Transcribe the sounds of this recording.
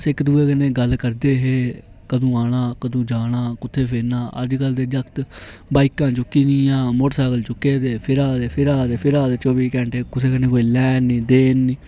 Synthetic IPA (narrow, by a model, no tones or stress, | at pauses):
sɪkd̪uːeːkənẽːɡəlkəɾd̪eːɦeː | kəd̪õːaːɽaːkəd̪õːd͡ʒaːɽãːkʊt̪ʰːeːpʰeːnaːʔə̰d͡ʒkəld̪eːd͡ʒəkt̪baːikãːt͡ʃʊkːiːnĩːãːmoʈsaːɡəlt͡ʃʊkːeːd̪eːpʰɪɾaːd̪eːpʰɪɾaːd̪eːpʰɪɾaːd̪eːt͡ʃoːbiːkɛ̃ːɳʈeːkʊseːkənẽːkoːiːlɛːnːiːd̪eːnːiː